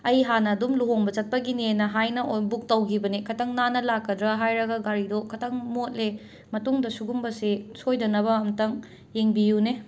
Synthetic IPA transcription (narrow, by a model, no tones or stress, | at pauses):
ɐjɦanɐːdumluɦoŋbɐt͡ʃɐt̚pɐɡinenɐɦajnɐʔojbuk̚tɐwɡibɐnikʰɐtʰɐŋnanɐlakːɐdɾɐɦajɾɐɡɐɡaɾidokʰɐtʰɐŋmot̚le | mɐtuŋdɐsuɡumbɐsesojdɐnɐbɐːmtɐŋ | jeŋbijune